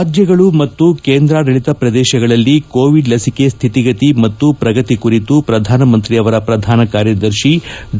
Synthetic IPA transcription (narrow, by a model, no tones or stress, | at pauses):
d͡ʒjɐɡɐɭumɐt̪ːukeːnd̪ɾaːɾɐɭit̪ɐpɾɐd̪eːʃɐɡɐɭɐlːikoːʋiɖlɐsike̞st̪ʰit̪iɡɐt̪imɐt̪ːupɾɐɡɐt̪ikuɾit̪upɾɐd̪ʱaːnɐmɐnt̪ɾiɐʋɐɾɐpɾɐd̪ʱaːnɐkaːɾjɐd̪ɐɾʃi